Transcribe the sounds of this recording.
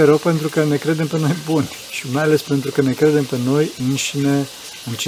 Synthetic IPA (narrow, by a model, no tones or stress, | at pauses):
eɾewpe̞nt̪ɾukəne̞kɾe̞d̪e̞mpe̞no̞jbunʲ | ʃimajale̞spe̞nt̪ɾukəne̞kɾe̞d̪e̞mpe̞no̞jɨnʃine | ɨnt͡ʃ